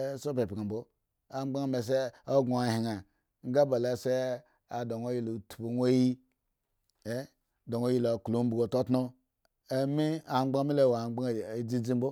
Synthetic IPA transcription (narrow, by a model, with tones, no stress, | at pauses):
so˦pe˨pi˨ka˨bo˦ | a˨˦ɡ͡ba˦ŋ˨me˨s̬e˦o˦ɡo˨a˨hi˨ŋa˨ | ŋ̩˦ɡa˦ba˨le˨se˦ | a˨do˨ŋo˦ji˦˨lo˨tu̥˨bo˨n˦o˦ji˦ | e˦ | do˨ŋo˦ji˦lo˨ku˨lo˦m˦bu˨ɡo˨to˦tno˦ | e˦mi˦a˨ŋ͡mɡ͡ba˦mi˦le˦˨wa˨˦ɡ͡ba˦˨˦d͡zi˦d͡zi˦m˦bo˦